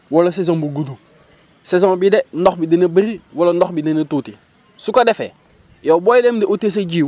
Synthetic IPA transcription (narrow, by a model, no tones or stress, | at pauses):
wolɐs̬es̬õŋbuɡudu | sesɔ̃bidenɔxbidinɐbiɾiwolondɔxbidinɐtuti | sukadefḛ | jobojdemdɛotes̬eɟiː